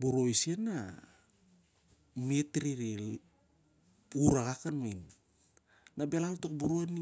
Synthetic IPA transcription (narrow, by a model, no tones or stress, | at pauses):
buɾojsienːa | mietɾiɾe | uɾaɣakanmajn | nabelaltokbuɾoani